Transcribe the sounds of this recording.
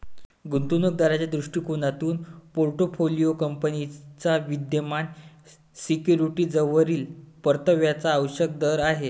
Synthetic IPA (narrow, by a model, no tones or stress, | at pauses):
ɡunt̪unək̚d̪aɾat͡ɕjad̪ɾuʂʈiːkonat̪uːnpoɾʈofʰolijokəmpənit͡saʋid̪jəman | sikjuɾiʈiːd͡zəʋəɾiːlpəɾt̪əʋjat͡saːʋɕək̚d̪əɾaɦe